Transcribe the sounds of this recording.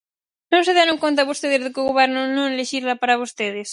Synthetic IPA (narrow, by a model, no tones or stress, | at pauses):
nõŋseðeɾõŋkont̪aβost̪eðezðɪkoɣoβɛɾnʊnõŋeleʃiɾlapaɾaβost̪eðɪs